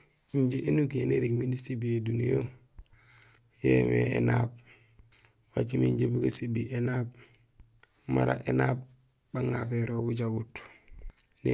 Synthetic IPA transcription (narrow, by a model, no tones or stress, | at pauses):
iɲɟeʔenuɡieneɾiɡminisibijedunijo | jḛmḛḛnaːb̚ | wat͡ʃimiɲɟebuɡasebiʔenaːb̚ | maɾa̰ʔenaːb̚ | baŋafeɾobud͡ʒaɡut | ne